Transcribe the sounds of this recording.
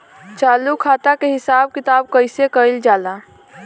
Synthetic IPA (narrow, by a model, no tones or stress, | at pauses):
t͡ʃaːlukʰaːt̪akeɦɪsaːb̚kɪt̪aːb̚kəɪsekəɪld͡ʒaːla